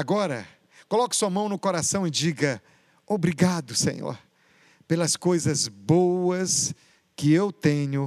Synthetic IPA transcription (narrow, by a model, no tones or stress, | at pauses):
aɡɔɾɐ̰ | kolɔkɐ̥suɐmɐ̃w̃nʊkoɾasɐ̃w̃ɪd͡ʒiɡɐ | obɾiɡad̪ʊsḛ̃ɲo̰ɾ | pelɐskojzɐzbowɐs | kɪewt̪ẽɲʊ